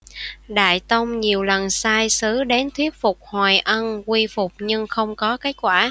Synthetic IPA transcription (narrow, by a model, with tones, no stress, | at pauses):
ɗa̰ː˧˨jt̪ə˧wŋ͡mɲi˨˩əwlə˨˩nsaː˧jsɨ˨˦ɗe˨˦nt̪ʰwi˦˥ət̚fʊ˨˩k͡p̚hwaː˨˩jʔə˧nkwi˧fʊ˨˩k͡p̚ɲɨ˧ŋxə˧wŋ͡mkɔ˨˦keː˨˦˥t̚kwaː˧˩